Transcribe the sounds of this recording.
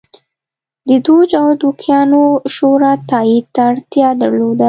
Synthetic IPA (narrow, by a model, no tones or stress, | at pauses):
d̪əd̪od͡ʒawd̪ukjɑnoʃoɾat̪ɑid̪̚t̪aːɽt̪jɑd̪əɾlod̪a